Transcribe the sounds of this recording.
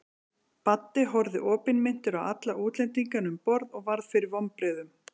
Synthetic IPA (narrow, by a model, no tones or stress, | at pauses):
pat̪ːɪɦɔɾðɪʔɔːpɪnmɪn̥t̪ɪɾawa̰t̪laʔuːt̪lɛnt̪iŋkanʏmpɔɾðɔɣvaɾðfɪɾɪɾvɔmpɾɪðʏm